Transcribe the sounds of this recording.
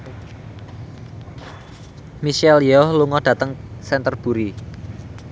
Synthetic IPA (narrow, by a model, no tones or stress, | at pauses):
miʃɛljɔhluŋɔɖ̥ä̤t̪əŋsɛnt̪ərb̥ṳɾi